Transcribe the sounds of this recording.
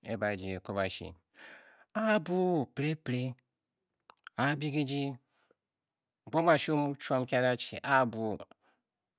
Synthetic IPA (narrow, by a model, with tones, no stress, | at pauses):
ḛ˦ba˨d͡ʒi˨e˨ko˦ba˨ʃḭ˨ | a˦bu˦˨pɾe˦pɾe˦ | a˨˦bi˦ɡi˦d͡ʒi˦˨ | bo˦ma˨ʃi˦o˦mu˦t͡ʃu˦a˦mka˦ɾa˦t͡ʃḭ˨ʔa˦bu˨